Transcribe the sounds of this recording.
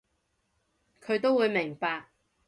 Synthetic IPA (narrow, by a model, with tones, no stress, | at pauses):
kʰɵ˨˧ɥt̪o˥wu˨˧jmɪ˨˩ŋpaː˧k̚